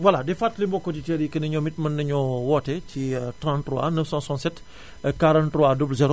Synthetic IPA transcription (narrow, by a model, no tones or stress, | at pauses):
wɐladɛfaːtːlimbɔkːɔditɛːɾjikənɐɲɔmitmɐnːɐɲɔwɔːtɛcitɾãntrɾwa̰nəfsãsɔ̃nsɛt | kaɾãntɾwadoblzɛɾo